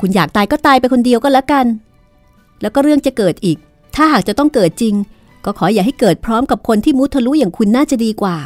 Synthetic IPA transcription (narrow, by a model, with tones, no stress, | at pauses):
kʰu˧njaː˨˩k̚t̪aː˧jkɔː˥˩t̪aː˧jpa˧jkʰo˧ndi˧əwkɔ˥˩lɛ˦˥ka˧n | lɛː˦˥wkɔː˥˩ɾɯ˥˩əŋt͡ɕa˨˩kɤː˨˩t̪̚ʔiː˨˩k̚ | t̪ʰaː˥˩ɦaː˨˩k̚t͡ɕa˨˩t̪ɔ˥˩ŋkɤː˨˩t̪̚t͡ɕi˧ŋ | kɔː˥˩kʰɔː˩˦jaː˨˩ha˥˩jkɤː˨˩t̪̚pʰɾɔː˦˥mka˨˩p̚kʰo˧nt̪ʰiː˥˩mu˦˥t̪ʰːa˧lu˦˥jaː˨˩ŋkʰu˧nːaː˥˩t͡ɕa˨˩diː˧kwaː˨˩